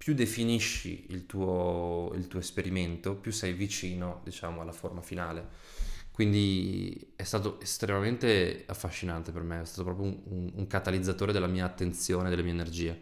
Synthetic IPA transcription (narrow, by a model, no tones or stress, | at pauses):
pjud̪efiniʃːḭilt̪uːoḭlt̪uːoespeɾiment̪opjusːɛjvit͡ʃiːnod̪it͡ʃaːmoalːaformafinaːle | kwind̪i | ɛst̪aːt̪oʔest̪ɾemament̪eafːaʃːinant̪epermeɛst̪aːt̪opɾɔpɾjoununuŋkat̪alid̪zːat̪oːɾed̪elːamiːaːt̪ːent̪sjoːned̪ːelemiːeenerd͡ʒiːe